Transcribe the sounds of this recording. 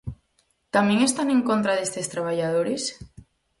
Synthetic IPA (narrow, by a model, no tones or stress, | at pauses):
t̪amẽŋest̪anẽŋkont̪ɾaðest̪est̪ɾaβ̞aʎaðoɾes